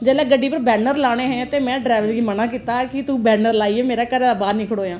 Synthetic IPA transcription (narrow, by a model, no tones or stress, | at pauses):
d͡ʒɛːlaːɡəɖːiːpəɾbɛːnəɾlaːɽ̃eːɦɛ̃ːt̪eːmɛ̃ːɖɾɛːʋəlɡiːmənãːkiːt̪aːkɪt̪uːbɛːnəɾlaːieːmeːɾaːkəɾaːbaːnĩːkʰəɽoːjãː